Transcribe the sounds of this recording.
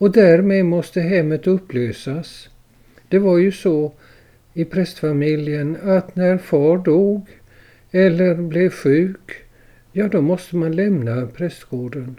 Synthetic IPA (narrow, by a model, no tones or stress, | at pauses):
ɔd̪æɾmeːd̪mɔst̪əɦɛmːət̪ɵpːløːsas | d̪̥ɛvaɾjɵsɔ | ɪpʰɾɛst̪famɪljənat̪næɾfɑːɾɖuːɡ | ɛlːəɾblɛvɧʉ̟ːk | jɑːd̪ɔmɔst̪əmanlɛmnapʰɾɛst̪ɡ̥oːɖən